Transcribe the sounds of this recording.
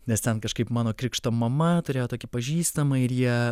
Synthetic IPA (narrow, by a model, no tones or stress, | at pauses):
nʲɛst̪ʲɛnkɐʃkɐɪpmɑːnoːkɾʲɪkʃt̪oːmɐmɐt̪ʊɾʲeːjoːt̪oːkʲɪpɐʒʲiːst̪ɐmɐɪɾjiɛ